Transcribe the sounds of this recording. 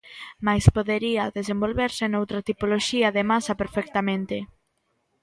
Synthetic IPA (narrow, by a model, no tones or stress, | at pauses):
majspoðeɾiɐðesembolβeɾsenowt̪ɾɐt̪ipoloʃiaðemasɐpeɾfɛk̚t̪amẽnt̪e